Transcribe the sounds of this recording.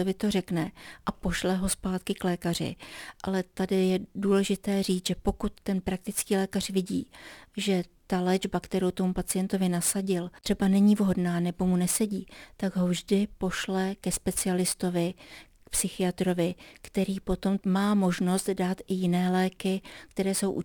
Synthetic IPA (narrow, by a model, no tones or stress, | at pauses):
ovɪt̪o̞rɛknɛʔapo̞ʃlɛɦo̞spaːt̪kɪklɛːkar̝ɪ̰ʔalɛt̪adɪjɛduːlɛʒɪt̪ɛːriːt͡sʒ̥ɛpo̞kut̪ːɛnpɾak̚t̪ɪt͡skiːlɛːkar̝̥vɪɟḭːʒɛt̪alɛd͡ʒbakt̪ɛɾowt̪o̞mupat͡sɪjɛnt̪o̞vɪnasaɟɪlt̪r̝̥ɛbanɛɲiːvɦo̞dnaːnɛbo̞munɛsɛɟiːt̪aɡɦo̞vʒdɪpo̞ʃlɛkɛspɛt͡sɪalɪst̪o̞vɪ | k̚psɪxɪat̪ɾo̞vɪkt̪ɛɾiːpo̞t̪o̞mmaːmo̞ʒno̞st̪daːt̪ʔɪjɪnɛːlɛːkɪkt̪ɛɾɛːso̞wʔu